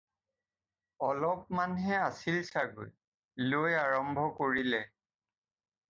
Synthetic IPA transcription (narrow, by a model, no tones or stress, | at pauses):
ɔlɔp̚manɦɛasilsaɡo̰j | lojaɹɔmbʱɔkoɹilɛ